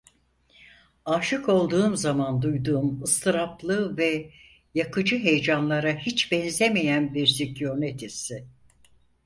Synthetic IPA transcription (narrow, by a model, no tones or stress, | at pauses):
aːʃɯko̞lˠd̪uːmzamand̪ujd̪uːmɯst̪ʰɯɾaplˠɯvɛ | jakʰɯd͡ʒɯɦe̞jd͡ʒanlˠaɾahit͡ʃbɛnzemejænbiɾsicjoɾnet̪ʰesɪ